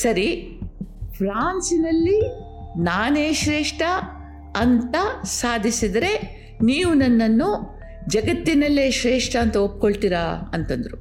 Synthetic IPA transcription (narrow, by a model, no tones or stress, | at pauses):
sɐɾi | pʰɾaːnsinɐlːi | naːne̞ːʃɾeːʂʈʰɐ | ɐnt̪ɐsaːd̪ʱisid̪ɐɾe̞ | niːʋunɐnːɐnːu | d͡ʒɐɡɐt̪ːinɐlːeːʃɾeːʂʈʰɐːnt̪ɐop̚ːkoɭt̪iɾaɐ̰nt̪ɐnd̪ɐɾu